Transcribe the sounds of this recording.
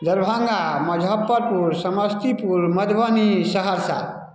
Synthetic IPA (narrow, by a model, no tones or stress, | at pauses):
d̪əɾbʱãŋɡaməd͡ʒʱəpːəɾpuɾsəməst̪ipuɾməd̪bənisəɦəɾsa̰